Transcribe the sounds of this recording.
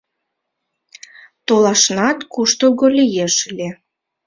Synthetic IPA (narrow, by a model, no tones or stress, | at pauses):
t̪olɑʃnɑt̪kuʃt̪oɣolʲijeʃəlʲe